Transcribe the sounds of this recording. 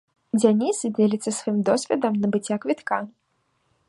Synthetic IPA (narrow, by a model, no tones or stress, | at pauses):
d͡zʲanʲisd͡zʲelʲit̪sːɐsvajimd̪ɔsʲvʲɛd̪ɐmnɐbɨt͡sʲːakvʲit̪ka